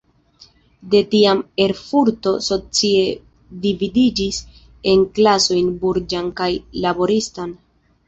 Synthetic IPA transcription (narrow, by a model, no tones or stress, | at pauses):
de̞tiame̞ɾfuɾto̞so̞t͡sie̞ | dividid͡ʒis | e̞nklaso̞jnbuɾd͡ʒankajlabo̞ɾistan